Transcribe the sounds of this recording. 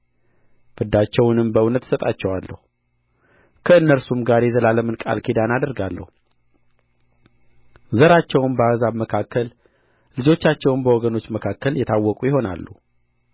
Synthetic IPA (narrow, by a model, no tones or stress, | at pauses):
b̥ɨd̪ːat͡ʃːɛwnɨmbəɨnət̪ːsət̪ʼat͡ʃːɛwalːə̰hu | kʰəɨnːəɾsumɡaɾjɛzəlaləmɨnkʼa̰lkʰid̪anad̪əɾɡalːə̰hu | zəɾat͡ʃːɛwnbəazaβməkʰakːəl | lɨd͡ʒo̞t͡ʃːat͡ʃːɛwnbəwɔɡəno̞t͡ʃːməkʰakːəljɛt̪ʰawːɔkʼujɪho̞na̰lːu